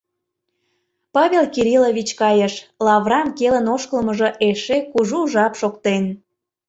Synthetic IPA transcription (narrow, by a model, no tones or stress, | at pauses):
pɑβʲelkiɾʲilovit͡ɕkɑjəʃlɑvrɑmkelənoʃkəlməʒə̆ʔeʃekuʒuʒɑpʃokt̪en